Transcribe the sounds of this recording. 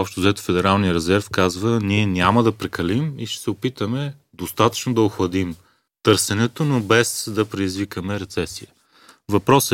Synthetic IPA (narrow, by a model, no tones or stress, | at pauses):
ɔpʃt̪oʊzɛt̪o̥fɛd̪ɛɾalˠniəɾɛzɛɾfkazvəniɛnʲaməd̪ɐpɾɛkɐlimiʃt̪ɛ̥sɛopit̪əmɛ | d̪ost̪at̪ə̥t͡ʃnod̪ɐoxvɐd̪im | t̪ɤɾsɛnɛt̪onobɛsd̪ɐpɾɛd̪izvikəmɛɾɛt̪sɛsiə | vɐpɾɔs